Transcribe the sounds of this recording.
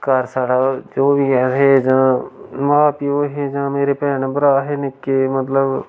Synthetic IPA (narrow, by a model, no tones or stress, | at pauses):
kəɾsaːɽaːd͡ʒoːʋiːɛɦeːd͡ʒãːmãːpioːɦeːd͡ʒãːmeːɾeːpɛːɳbəɾaːɦeːnɪkːeːmət̪ləb